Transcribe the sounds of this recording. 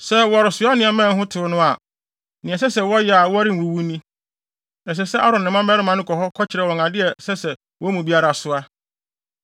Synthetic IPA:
sɛ˦wɔ˨a˨ɾɪ˨sʊ˨˦a˦nɪ̃˨ɛ˨mɛ̃˦˨ŋ˦ɦʊ̃˦tʰɪ˨ʊ˦nʊ̃˦a˨ | nɪ̃˨ɛ˨s̬ɛ˦sɛ˨wɔ˦jɛ˨a˨wɔ˦a˦ɾɪ˦˨u˨wu˦nĩ˦ | ɛ˨s̬ɛ˨sɛ˦ʔa˦ɾɔ̃˨nɪ̃˨mã˦mɛ˦ɾɪ˦mã˨nʊ̃˦kʰɔ˨hɔ˦kʰɔ˦t͡ɕʰɪ˨ɾɛ˨wɔ̃˨ŋã˨dɪ˦ɛ˨sɛ˦sɛ˨ | wɔ˦mũ˨bi˦a˦ɾa˨sʊ˨˦a˦

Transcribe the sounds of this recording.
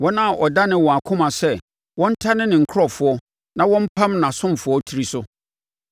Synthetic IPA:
wɔ˦nã˦˨ʔɔ˨da˦nɪ̃˦wɔ̃˨a˨kʰʊ̃˦mã˨sɛ˦˨ | wɔ̃˦n̩˦tʰa˦nɪ̃˦nɪ̃˨ŋ̩˨kʰɾɔ˨fʊ˨˦ɔ˦ | nã˨wɔ̃˦m̩˦pʰã˦mnã˨sʊ̃˦m˨fʊ˦ɔ˦tʰi˦ɾi˨sʊ˦

